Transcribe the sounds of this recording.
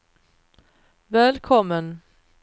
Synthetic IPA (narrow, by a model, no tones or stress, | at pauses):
vɛːlkʰɔmːən